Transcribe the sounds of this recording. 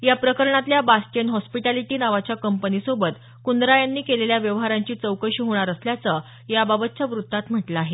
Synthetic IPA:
japɾəkəɾɳat̪ljabasʈənɦɔspiʈaliʈiːnaʋat͡ɕjakəmpənisobət̪ | kund̪ɾajanːiːkeleljaʋjəʋɦaɾaɲt͡ɕiːt͡səwkəɕiːɦoɳ̃aɾəsljat͡sə | jababət̪̚t͡ɕjaʋɾut̪ːat̪m̤əʈlaaːɦe

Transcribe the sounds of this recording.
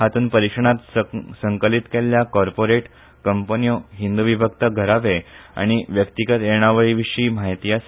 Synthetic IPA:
ɦat̪uːnpəɾikʂəɳ̃at̪səŋkəlit̪keljakɔɾpoɾeʈ | kəmpənijoɦind̪uʋibʱəkt̪əɡʱəɾaʋea̰ɽ̃iʋjəkt̪iɡət̪eɳ̃aʋəɭiʋiʂiːmajt̪ijas

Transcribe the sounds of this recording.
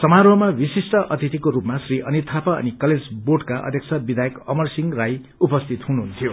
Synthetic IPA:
sʌmaɾoɦmawisisʈʌʔʌt̪it̪ikoɾupmasriʔʌnit̪ʰapaʌ̰nikʌled͡zboʈkaʔʌ̰d̪ʱjʌkt͡sʰʌbid̪ʱajekʌmʌrsiŋraj | upʌst̪ʰit̪ɦunuɦunt̪ʰijo

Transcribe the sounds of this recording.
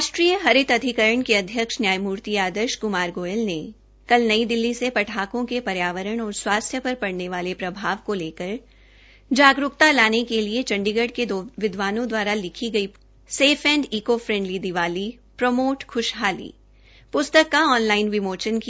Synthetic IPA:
ɾaːʃʈɾiːjəɦɐɾɪt̪ɐd̪ʱɪkəɾəɳ̃keɐd̪ʱjəkʃnjaːjmuːɾt̪iaːd̪əɾʃkʊmaːɾɡoːjəlne | kɐlnɐid̪ɪlːisepɐʈʰaːkõkepɐɾjaːʋəɾəɽ̃ɔːɾswaːst̪ʰjəpɐɾpɐɽneʋaːlepɾɐbʱaːʋkoleːkəɾ | d͡ʒaːɡɾʊkt̪alaːnekeliet͡ʃɐ̃ɳɖɪɡəɖked̪ʋɪd̪ʋaːnõd̪waːɾalɪkʰiɡɐi | seːfʰɛ̃ːɳɖiːkofɾɛ̃ɳɖlid̪ɪʋaːli | pɾɐmoːʈkʊʃɦaːlḭː | pʊst̪əkːaɔːnlaːɪnʋɪmoːt͡ʃənki

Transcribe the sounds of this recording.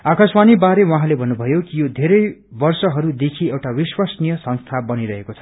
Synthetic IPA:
akʌsbanibaɾewaɦãlebʱʌnːubʱʌjokijod̪ʱeɾʌjbʌrsʌɦʌɾud̪ekʰiewʈawiswasnijʌsʌ̃ŋst̪ʰabʌniɾʌɦekot͡sʰʌ̥

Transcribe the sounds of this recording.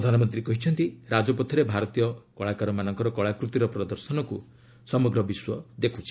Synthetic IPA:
d̪ʱanɔmɔnt̪ɾikɔɦit͡ʃʰɔnt̪iɾad͡ʒɔpɔt̪ʰɔɾebʱaɾɔt̪ijɔkɔɭakaɾɔmanɔŋkɔɾɔkɔɭakɾut̪iɾɔpɾɔd̪ɔɾsɔnɔkṵ | sɔmɔɡɾɔbiswɔd̪ekʰu̥t͡ʃʰi̥

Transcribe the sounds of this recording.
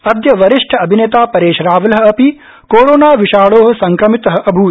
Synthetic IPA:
ɐd̪jɐʋɐɾiʂʈʰɐɐbʱineːt̪aːpɐɾeːʃɾaːʋɐlɐɦɐ̆ɐpi | koːɾoːnaːʋiʃaːɭoːɦɐ̆sɐŋkɾɐmit̪ɐɦɐ̆ʔɐbʱuː

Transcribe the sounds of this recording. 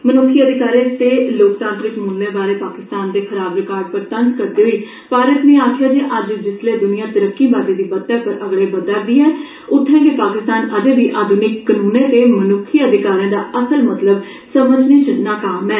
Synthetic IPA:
mənʊkʰːiːəd̪ʱɪkaːɾẽːt̪eːloːkt̪ãnt̪ɾɪkmũːnnẽːbaːleːpaːkɪst̪aːnd̪eːkʰəɾaːbɾɪkaːɾ̚pəɾt̪ənskəɾd̪eːɦiː | paːɾət̪nĩːaːkʰjaːd͡ʒeːʔəd͡ʒd͡ʒɪsleːd̪ʊnɪjãːt̪əɾəkːiːbaːd̪ẽːd̪iːbət̪ːɛːpəɾʔəɡɽeːbəd̪aːɾd̪iːɦɛː | ʊt̪ʰːɛ̃ːkepaːkɪst̪aːnəd͡ʒeːʋiːʔaːd̪ʱʊnɪkːənuːnẽːt̪eːmənʊkʰiːəd̪ɪkaːɾjãːd̪aːʔəsəlmət̪ləb | səməd͡ʒnĩːt͡ʃəd̪naːkaːmɛː

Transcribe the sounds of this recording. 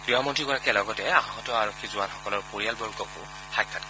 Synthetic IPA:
dɹiɔmɔntɹiɡɔɹakɛlɔɡɔtɛaɦɔtɔaɹɔkʰːizʊwanxɔkɔlɔɹpoɹijalbɔɹɡɔkʊ̰ | xajkʰːat̚kɔ

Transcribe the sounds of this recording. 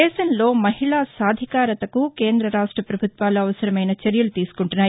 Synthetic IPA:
ɛːʃɐnlo̞ːmɐɦiɭaːsaːd̪ʱikaːɾɐt̪ɐkukeːnd̪ɾɐɾaːʂʈɾɐpɾɐbʱut̪ʋaːluɐʋɐsɐɾɐmɐjnɐt͡ʃɐɾjɐlut̪iːsu̥kuɳʈunːaːj

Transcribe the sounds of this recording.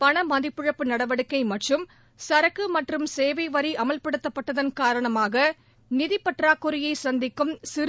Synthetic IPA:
pɐɳɐmɐðɪpːɯɻɐpːɯnɐɽɐʋɐɽɯkːɐɪmɐʈrɯm | sɐɾɐkːɯmɐʈrɯmseːʋɐɪʋɐɾiʔɐmɐlpɐɽɯt̪ːɐpːɐʈːɐðɐnkaːɾɐɳɐmaːɣɐ | nɪðɪpːɐʈraːkːɔɾɪjɐɪsɐnd̪ɪkːɯmsɪɾ

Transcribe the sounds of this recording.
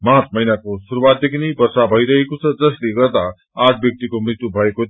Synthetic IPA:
matmʌjnakosuɾuwat̪̚d̪ekʰnebʌrsabʱʌjɾʌɦekot͡sʰʌd͡zʌsleɡʌrd̪a | aʈ̚ʰbjʌk̚t̪ikomrit̪ːubʱʌeko

